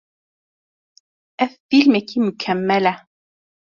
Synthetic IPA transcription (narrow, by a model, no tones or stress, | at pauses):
ʔaθːilmakimʊkʰamːala